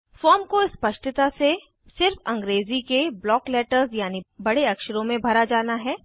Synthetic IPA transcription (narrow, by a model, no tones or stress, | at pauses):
fɔːɾmkoɪspɐʃʈɪt̪ase | sɪɾfɐ̃ŋɡɾeːzikeblɔːklɛːʈəɾzjaːnibɐɽeɐkʃəɾõmẽbʱɐɾad͡ʒaːnaɦɛː